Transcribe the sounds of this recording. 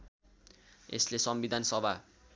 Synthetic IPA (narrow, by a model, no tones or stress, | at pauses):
ḛslesʌmbid̪ʱansʌbʱa